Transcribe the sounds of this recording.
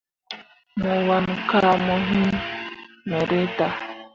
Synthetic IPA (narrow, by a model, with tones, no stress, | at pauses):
mɔ˨wa˨n˨ka˦a˨mɔ˨ɦi˦m | mɛ˨ɾe˦ta˨